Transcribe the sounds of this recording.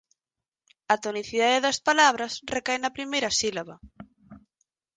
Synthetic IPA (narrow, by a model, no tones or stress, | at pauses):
ɐt̪oniθiðaðeðɐspalaβ̞ɾɐsrekajnɐpɾimejɾɐsilaβɐ